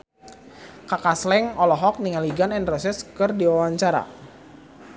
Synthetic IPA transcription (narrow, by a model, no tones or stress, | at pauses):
kakaslɛŋɔlɔɦɔk̚niŋaliɡanɛnrɔsɛskɨrdiwawaɲt͡ʃaɾa̰